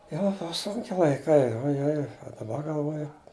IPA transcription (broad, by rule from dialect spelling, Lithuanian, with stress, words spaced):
ˈjoː ˈbʊʋɐ ˈsʊŋʲkʲɪ lˠɐɪˈkɐɪ oːjˈoːj oː dɐˈbɐ ɡɐlˠˈʋoːjʊ